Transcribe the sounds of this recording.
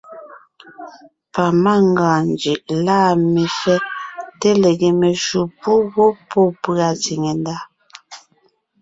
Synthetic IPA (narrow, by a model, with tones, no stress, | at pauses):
pa˨ma˦˨ŋɡãː˨nd͡ʒi˨ʔlaː˦˨mi˨fɛ˦te˦le˨ɡe˨me˨ʃu˨pu˦ɣo˦po˦˨pɰa˨t͡si˨ŋe˨nda˦˨